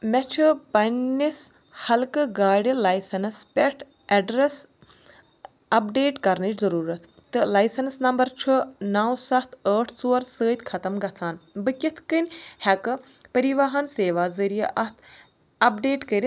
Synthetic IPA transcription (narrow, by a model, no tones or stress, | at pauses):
mʲɛt͡ʃʰɨpɐnʲːis | hɐlkɨɡaːɖilɐːjsɐnspʲɛʈʰ | ɐɖɾes | ɐp̚ɖeːʈkɐɾnɨt͡ʃzɐɾuːɾɐt̪ʰ | t̪ːɨlɐːjsɐnsnɐmbɐɾt͡ʃʰunaːwsɐt̪ʰəːʈʰt͡soːɐɾsəːt̪ʲkʰɐt̪ɐmɡɐt͡sʰaːnbɨkʲit̪ʰkɨnʲhɐkɨ | pɐɾiʋɐɦɐnseːʋaːzɐɾijɐʔɐt̪ʰ | ɐp̚ɖeːʈkəɾʲi